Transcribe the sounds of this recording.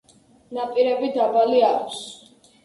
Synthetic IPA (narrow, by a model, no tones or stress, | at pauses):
napʼiɾɛbid̪abaliakʷʰs